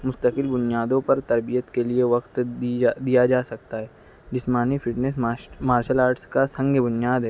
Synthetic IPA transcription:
mʊst̪əkɪlbʊnijaːd̪õpɐɾt̪ɐɾbijət̪kelieʋɐqt̪d̪ijad͡ʒaːsɐk̚t̪aɦɛː | d͡ʒɪsmaːnifɪʈnes̬maːɾʃəlaːɾʈskasɐ̃ŋɡʱbʊnijaːd̪ɦɛː

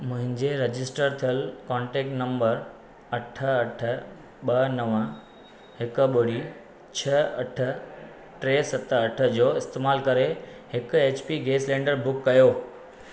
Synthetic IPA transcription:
mʊ̃ɦɪ̃ɲd͡ʑeɾɐd͡ʑɪsʈəɾt̪ʰijəlkɔːɳʈeːk̚ʈnɐ̃mbəɾ | ɐʈʰə̆ɐʈʰə̆ | ɓɐnɐʋə̃ | hɪkɓʊɽi | t͡ɕʰɐɐʈʰə̆ | ʈɾeːsɐt̪əɐʈʰə̆d͡ʑoːɪst̪eːmaːlkɐɾehɪkʊ̆eːt͡ɕpiɡeːslẽːɳɖəɾbʊkːɐjoː

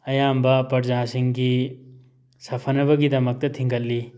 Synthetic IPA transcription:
ɐjaːmbaːpɐʈd͡ʒãːsiŋki | sɐfʰɐnɐʋɐɡid̪ɐmɐk̚t̪ɐt̪ʰĩŋkɐlːi

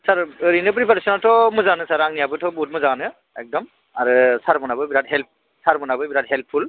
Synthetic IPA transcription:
saɹɾinɯp̬ɾipaɾsɔnatʰɔmɔzanɯsaɾaŋnijabɯtʰɔbut̚mɔzanɯ | ɛk̚dɔm | aɾɯsaɾmɔnabɯjbiɾatɦɛlp̚ | saɹbɔnabɯjbiɾat̚ɦɛlpʰːul

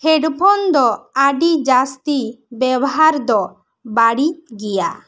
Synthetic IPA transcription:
hɛɖpʰɔnd̪ɔaɖid͡ʒast̪ibɛbɔɦaɾd̪ɔ | baɽiɡɛja̰

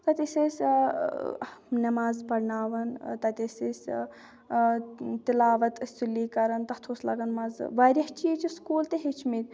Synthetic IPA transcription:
t̪ɐt̪ʲesʲesʲ | nɐmaːzpɐɾnaːʋɐnt̪ɐt̪ʲesʲesʲ | t̪ilaːʋɐt̪sulːikɐɾɐnt̪ɐt̪ʰoːslɐ̰ɡɐnmɐzʋaːɾʲɐht͡ʃijet͡ʃʰiskuːlt̪eɦet͡ʃʰmit̪ʲ

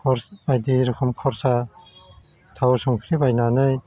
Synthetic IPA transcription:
kʰɔɾsajd̪iɾukʰɔmkʰɔɾsa | t̪ʰawsuŋkʰɾibajnanɯj

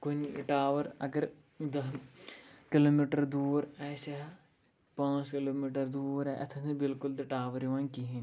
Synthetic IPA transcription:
kun̰ʈaːʋɐɾɐ̰ɡəɾ | d̪ɐɦ | kiloːmiːʈɐɾd̪uːɾaːsɐ | pãːskiloːmiːʈɐɾd̪uːɾaʔɐ̰t̪ʰɐ̃sebɪlkʊld̪ɐʈaːʋɐɾiʋãːnkiɦin

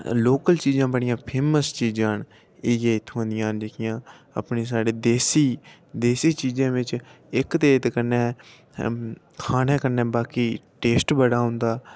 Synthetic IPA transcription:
loːkəlt͡ʃiːd͡ʒãːbəɽɪjãːpʰeːməst͡ʃiːd͡ʒãːn | eːɡẽːɪt̪ʰːõːə̃nd̪ɪjãːnd͡ʒəkʰɪjãː | ə̰pneːs̬aːɽeːd̪eːsiː | d̪eːsiːt͡ʃiːzãːʋɪt͡ʃ | ɪkt̪eːt̪kəɾnɛː | kʰaːnɛ̃ːkəɾnɛːbaːkiːʈeːsʈbəɽaːɦʊ̃nd̪aː

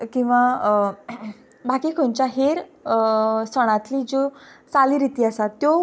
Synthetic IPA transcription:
kĩw̃ʋa | bakikʰoɲt͡ɕaɦeɾ | səɽ̃ãt̪liːd͡ʑot͡saliːɾit̪iːasat̪ːjo

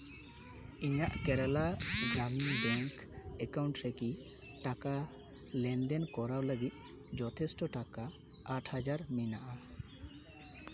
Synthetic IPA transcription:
iɲaʔkɛɾɛlad͡ʒaminbɛŋkɛkawɳʈɾeki | ʈaka | lɛnd̪enkɔɾawləɡit̪̚ˀ | d͡ʒɔt̪ʰesʈɔʈaka | aʈʰhad͡ʒaɾminaʔa

